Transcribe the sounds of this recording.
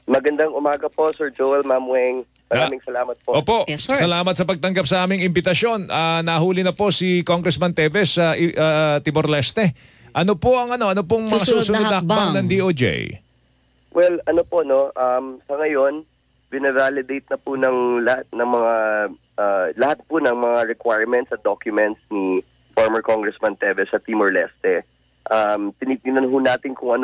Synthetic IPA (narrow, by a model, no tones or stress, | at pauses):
mɐɡɐnd̪aŋʊmaːɡɐpo̞sɛɹd͡ʒoɛlmamwɛŋ | mɐɾaːmɪŋsɐlaːmɐt̪̚poʔoːpo̞ʔsɐlaːmɐt̪̚sɐpɐɡ̚t̪ɐŋɡap̚sɐʔaːmɪŋɪmbɪt̪ɐsjo̞nʔanɐɦuːlɪnɐpo̞sikoŋɡɾɛsmɐnt̪ɛvɛsːɐʔʔat̪ɪmoɾlɛst̪ɛ | ʔɐno̞poʔɐŋɐno̞ʔɐnop̬oŋmɐŋasuːsʊnʊɐhɐk̚baŋnɐŋd̪iʔod͡ʒḛj | wʔɛlɐnopono̞ʔɐmsɐŋɐjon | bɪnɐvalɪd̪ejt̪̚nɐpʊnɐŋlɐhat̪̚nɐŋmɐŋa | ʔalɐhat̪̚pʊnɐŋmɐŋaɹɛkwajɹmɛnt̪sɐt̪̚d̪okjʊmɛnt̪sni | foɹmɛɹkoŋɡɹɛsmɐnt̪ɛvɛsɐt̪imoɹlɛ̰st̪ɛ | ʔɐmt̪ɪnip̪̚ɪnɐnɦʊnaːt̪ɪnkʊŋʔɐn